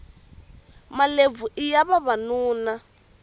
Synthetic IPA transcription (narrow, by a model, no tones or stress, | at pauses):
malevuʔijaβaβanuːna